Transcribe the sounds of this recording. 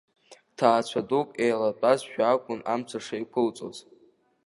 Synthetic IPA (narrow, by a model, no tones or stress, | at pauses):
tʰaːt͡ɕʷʰadokʼejlat͡pʼazʃᶣakʷʼʊnamt͡sʷʰaʂejkʷʰʊlt͡sʼo̰z